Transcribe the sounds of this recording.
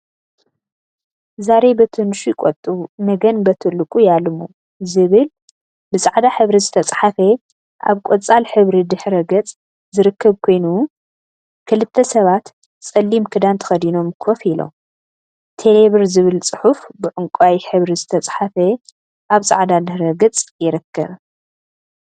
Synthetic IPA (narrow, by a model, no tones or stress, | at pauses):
zaɾebɐt̪ʰɨnʃujkʼɔt̪ʼːumɐɡɐnbɐt̪ʰɨlːɨkʼujalɨmu | zɨβɨl | bɨsʼaʕd̪aħɨβɾizɨt̪ʰɐt͡sʼħafe | ʔa̰βkʷʼot͡sʼalħɨβɾid̪ɨħɾɐɡɐt͡sʼ | zɨɾɨkʰːɐβkʰo̞jnu | kʰɨlɨt̪ʰːɐsɐβat̪ | t͡sʼɐlːimkʰɨd̪ant̪ʰɐ̥xɐd̪ino̞mkʰofilo̰m | t̪ʰeleβɨɾzɨβɨlt͡sʼɨħufbɨʕʊŋkʷʼajħɨβɾizɨt̪ʰɐt͡sʼħafe | ʔaβsʼa̰ʕd̪ad̪ɨħɾɐɡɨt͡sʼjɪɾɨkʰːɐβ